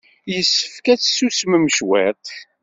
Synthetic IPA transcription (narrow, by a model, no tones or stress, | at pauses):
jəsːə̥fkæt͡sːsusməmʃwæt̪